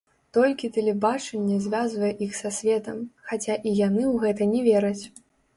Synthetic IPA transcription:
t̪ɔlʲkʲit̪ɛlʲɛbat͡ʂɐnʲːɛzʲvʲazvɐjɛʔixsasʲvʲɛt̪ɐmxat͡sʲaʔijanɨwɣɛt̪ɐnʲɛvʲɛɾɐt͡sʲ

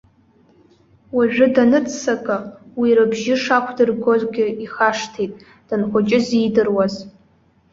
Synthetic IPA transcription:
waʒᶣʷʊdanɨt͡sʰʼsakʼawiɾɨbʒɪʂakʷʰdɨrɡo̞zɡʲɪiχaʂtʰejtʼ | d̥ɨnχʷat͡ʃʼɪzijdɨrwaz

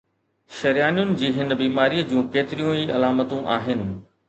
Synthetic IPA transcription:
ʃɐɾijaːnijʊnɪ̆d͡ʑiːɦɪnbiːmaːɾiːəd͡ʑũːkeːt̪ɪɾijũiːɐlaːmət̪ũʔaːɦɪnɪ̆

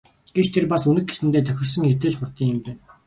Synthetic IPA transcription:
ɡ̥et͡ɕt̪ʰerpasunɘ̆k̚ɡesɘ̆nt̪eːt̪ʰœxʲɪ̆rs̬ə̆ŋxet̪ɘːɮχʊrt̪iːŋɘ̆mpæːn

